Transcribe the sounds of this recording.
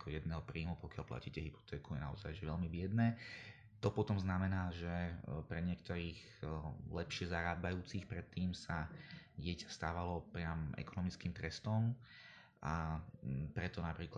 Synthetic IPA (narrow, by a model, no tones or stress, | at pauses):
kɔjɛd̪̚nɛːɦɔpɾiːmupɔkɪalpla̰ciːcɛɦipɔ̥t̪ɛːkujɛna̰ɔ̰zajʒɛʋɛlmibɪɛd̪nɛː | t̪ɔpɔt̪ɔmznamɛnaːʒɛpɾɛɲɪɛk̚t̪ɔɾiːx | lɛpʃɪɛzaɾaːbajuːt͡sixpɾɛt̪ːiːmsaɟɪɛcḁst̪aːʋalɔpɾɪamʔɛ̰kɔnɔmit͡skiːmt̪ɾɛst̪ɔm | ʔa | pɾɛt̪ɔnapɾiːk